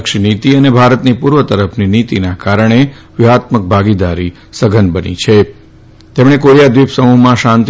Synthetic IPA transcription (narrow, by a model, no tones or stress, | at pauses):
kʃnit̪iənebʱaɾət̪nipuɾʋət̪əɾəpʰninit̪inakaɾəɳ̃e | ʋiɦat̪mək̚bʱaɡid̪aɾi | səɡʱənbənḭt͡ʃʰe | t̪emɽ̃ekoɾijad̪ʋipsəmuɦmãʃãnt̪